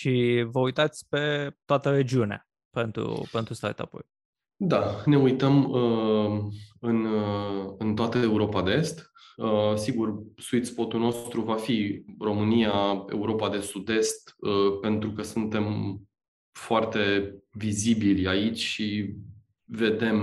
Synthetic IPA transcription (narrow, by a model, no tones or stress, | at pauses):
ʃivəujt̪at̪sʲpe̞t̪oat̪əɾe̞d͡ʒiunea̰ | pe̞nt̪ɾṵpe̞nt̪ɾust̪a̰t̪a̰po̰j | d̪ane̞ujt̪əmə | ɨn | ɨnt̪oat̪əeuɾo̞pad̪eest̪ | əsiɡursuit̪spo̞t̪ulno̞st̪ɾuvafiro̞mɨnijae̞̰uɾo̞pad̪e̞sud̪e̞st̪əpe̞nt̪ɾukəsunt̪e̞m | foart̪e̞vizibilʲait͡ʃʲʃi | ve̞d̪e̞m